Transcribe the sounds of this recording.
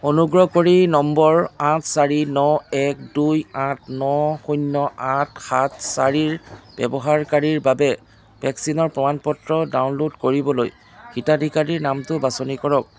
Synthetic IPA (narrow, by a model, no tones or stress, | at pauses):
onuɡɹɔkoɹinɔmbɔɹãtʰsaɹinɔɛk̚dujãtʰnɔxujnːɔãt̚ʰxat̚ʰsaɹiɹb̥ɛ̰bɔɦaɹkaɹiɹbabɛ | bʱɛksinɔɹpɹɔmanpɔtɹɔdawnlodkoɹibɔlo̰j | xitadʱikaɹiɹnamtʊbasɔnikɔɹɔk̚